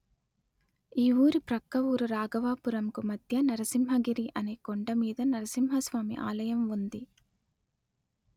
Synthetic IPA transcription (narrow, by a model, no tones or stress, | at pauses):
iːʋuːɾɯpɾɐkːɐʋuːɾɯɾaːɡɐʋaːpɯɾɐmkumɐd̪jɐnɐɾɐsimɦɐɡiɾiʔɐnɐɪkːɔɳɖɐmiːðɐnɐɾɐsimɦɐsʋaːmḭʔa̰ːlɐjɐmʋund̪i